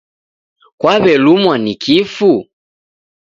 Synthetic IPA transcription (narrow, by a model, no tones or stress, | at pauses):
kwaβɛlumwanikʰifu